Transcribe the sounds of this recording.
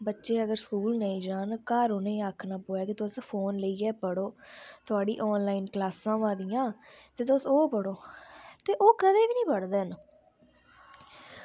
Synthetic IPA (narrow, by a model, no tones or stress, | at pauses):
bətːʃeːəɡəɾskuːlnəĩːd͡ʒaːnkaːɾoːnẽːaːkʰnaːpoːɛːkɪt̪ʊʊspʰoːnləiːɛːpəɽoːt̪ʊaːɖḭːʔɔːnlaːiːnklaːsãːʋãːd̪ijãːt̪eːt̪ʊsoːpəɽoːt̪eːʔoːkəd̪eːʋiːnĩːpəɽd̪eːn